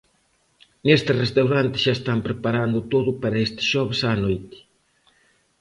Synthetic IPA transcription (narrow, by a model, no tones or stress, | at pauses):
nest̪ɪrest̪awɾant̪ɪ̥ʃaest̪ampɾepaɾand̪ʊt̪oðʊpaɾɐest̪ɪ̥sʃɔβɪsaːnojt̪ɪ̥